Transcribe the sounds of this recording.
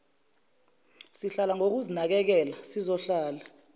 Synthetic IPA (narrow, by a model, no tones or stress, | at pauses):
siɬalaŋok̬uzinak̬ɛk̬ɛlasizɔɬaːla